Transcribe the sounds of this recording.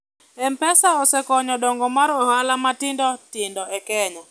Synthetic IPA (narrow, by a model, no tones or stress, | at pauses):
ɛmpɛsaɔsɛkɔɲɔdɔŋɡɔmaɾɔhalamatɪndɔtɪndɔɛkɛɲa